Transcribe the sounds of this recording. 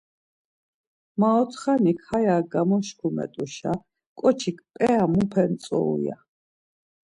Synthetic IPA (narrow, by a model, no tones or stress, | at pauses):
maɔt̪ʰχanikʰhajaɡamɔʃkʰumɛ̰t̪ʼuʃa | kʼɔt͡ʃʰikʰpʼɛamupʰɛnt̪sʼɔ̰ṵja̰